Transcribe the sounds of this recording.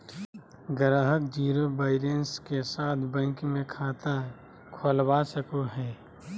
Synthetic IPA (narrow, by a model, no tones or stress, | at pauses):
ɡəɾəɦəkd͡ʒiːɾobaːɪɾenskesaːt̪ʰbə̃ŋkmẽkʰaːt̪a | kʰoːlbasəkoɦɛː